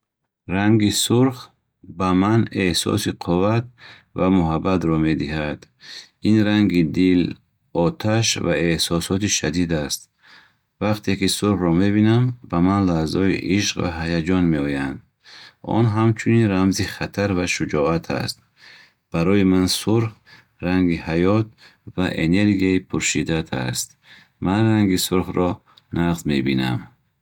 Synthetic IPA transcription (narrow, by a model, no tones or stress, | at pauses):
ɾaŋɡisuɾχ | bamane̞hsɔ̰siqʰuvat̪̚ | vamuɦabːat̪ɾɔme̞d̪iɦad̪̥ | inɾaŋɡid̪il | ɔt̪ʰaʃva̰ehsɔsɔt̪iʃad̪id̪ast̪̚ | vaqt̪ʰekisuɾχɾɔme̞binambamanlahzɔḭʔiʃqva̰ɦajad͡ʒɔnmeɔjand̪̚ | ɔ̰nɦamt͡ʃʰuninɾamziχat̪ʰaɾvaʃud͡ʒɔat̪ʰa̰st̪̚ | b̥aɾɔimansuɾh | raŋɡihajɔt̪̚ | vaʔene̞ɾɡiaipʰuɾʃid̪at̪ʰa̰st̪̚ | manraŋɡisuɾhrɔ | naqzme̞bina̰m